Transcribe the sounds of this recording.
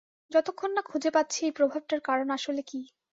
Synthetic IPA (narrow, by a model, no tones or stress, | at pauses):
d͡ʑɔt̪okʰːonːakʰud͡ʑʱepat̪ːɕʰiejpɾobʱab̚ʈaɾkaɾonaʃoleki